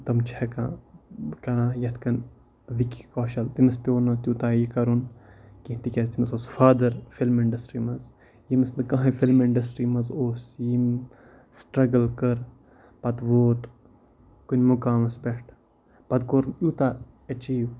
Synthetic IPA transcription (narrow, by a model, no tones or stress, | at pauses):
t̪ɐmt͡ʃʰɛkã̰ːkɐɾãːjɐt̪ʰkɐn | ʋikikɔːʃɐlt̪imɐspʲoːnɐt̪ʲjuːt̪aːjikɐɾunkĩt̪ikʲɐst̪imɐsoːsfaːd̪ɐɾfilmiɳɖɐsʈɾiːmɐz | jimɐsnɨkãɦɐ̃filmiɳɖɐsʈɾiːmɐzoːsjim | sʈɾɐɡəlkɐɾ | pɐt̪ʋoːt̪ | kunʲmukaːmɐsbeʈʰ | pɐt̪koɾnuːt̪aː | ɐt͡ʃiːw